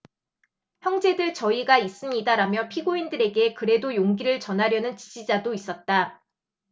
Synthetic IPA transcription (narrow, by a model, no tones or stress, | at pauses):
çjʌŋd͡ʑe̞dɯɭt͡ɕʌiɡais͈ɯmɲidaɾamjʌpʰiɡoindɯɾe̞ɡe̞kɯɾe̞dojoŋɡiɾɯɭt͡ɕʌnɦaɾjʌnɯnt͡ɕi̥d͡ʑid͡ʑadois͈ʌt̚t͈a